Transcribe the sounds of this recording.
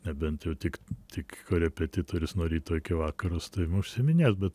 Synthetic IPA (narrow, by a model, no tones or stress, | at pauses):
nʲɛbʲɛnt̪jɛʊt̪ʲɪkt̪ʲɪkkoːɾʲɛpʲɛt̪ʲɪt̪oːɾʲɪsnoːɾʲiːt̪oːɪkʲɪʋɑːkɐɾost̪ɐɪʊʃʲsʲɪmʲɪnʲeːsbʲɛt̪